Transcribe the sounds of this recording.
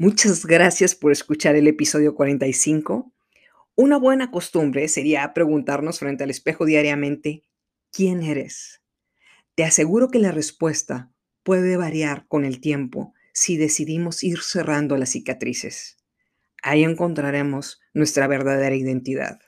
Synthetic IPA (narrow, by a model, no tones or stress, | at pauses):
mut͡ʃazɣɾasjaspo̞ɾe̞skut͡ʃaɾe̞le̞piso̞ðjo̞kwaɾe̞nt̪ajsiŋko̞ | unaβwe̞nako̞st̪umbɾe̞se̞ɾiapɾe̞ɣunt̪aɾno̞sfɾe̞nt̪e̞ale̞spe̞xo̞ðjaɾjamẽ̞nt̪e̞ | kje̞ne̞ɾe̞s | t̪e̞ase̞ɣuɾo̞ke̞lare̞spwe̞st̪a | pwe̞ðe̞βaɾjaɾko̞ne̞lt̪je̞mpo̞̰ | siðe̞siðimo̞siɾse̞rand̪o̞lasikat̪ɾisḛs | aie̞ŋko̞nt̪ɾaɾe̞mo̞z | nwe̞st̪ɾaβe̞ɾðaðe̞ɾaiðe̞nt̪iða̰ð